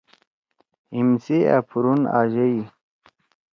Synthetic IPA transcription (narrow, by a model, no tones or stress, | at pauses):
imsia̰pʰuɾuna̰ːʑei